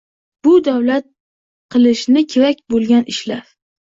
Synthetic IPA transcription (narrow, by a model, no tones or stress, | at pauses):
b̥ʊd̪awlat̪̚ | qʰɨlˠɪʃnɪkʲʰeɾak̚ʲbolˠɡʲanɪʃlaɾ